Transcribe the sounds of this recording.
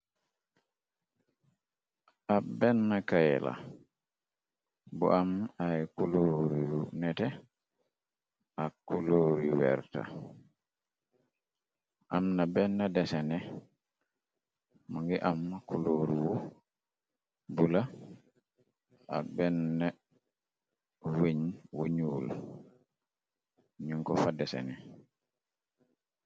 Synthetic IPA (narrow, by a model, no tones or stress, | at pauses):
ʔabɛnːakajɛla̰ | bɔ̰ʔamajkuloːɾiwunɛtɛ | ʔakːuloːɾiwɛ̰ɾta̰ | ʔamnabɛnːɛdɛsɛnɛ | maŋɡɛʔamːakuloɾiwu | bula | ʔa̰bɛnːɛ | wiɲwuɲuːl | ɲiŋkɔfadɛsɛ̰nɛ